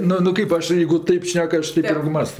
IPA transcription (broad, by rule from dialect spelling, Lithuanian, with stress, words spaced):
ˈnʊ nʊ ˈkɐɪp ɐʃ ˈjeːɪɡʊ ˈtɐɪp ˈʃʲnʲɛk ˈɐʃ ˈtʲɛɪp ˈɪrʲɡʲɪ ˈmɑːstoː